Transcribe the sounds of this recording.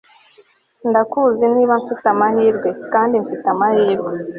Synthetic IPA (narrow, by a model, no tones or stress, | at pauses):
ndakuːziniːβaɱfitamahiːɾɡwe̞kaːndiɱfitamahiːɾɡwe